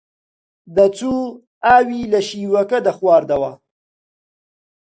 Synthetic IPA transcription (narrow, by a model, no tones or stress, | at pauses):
d̪ət͡su | aːwilaʃiwakad̪əxwɑːɾd̪awa